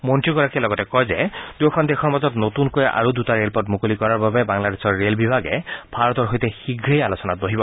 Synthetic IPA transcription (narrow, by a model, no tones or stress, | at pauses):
mɔnʈɹiɡɔɾakialɔɡɔtekɔjzed̪ujkʰɔnd̪ekʰɔɹmazɔt̪not̪unkojʔa̰ɾud̪utaɹelpɔtmukolikɔɾaɹbabebaŋlad̪esʰɔɹːelbibʱaɡeb̥ʱaɾɔt̪ɔɹɦojt̪exiɡʱɾejalosɔnat̪̚boɦibɔ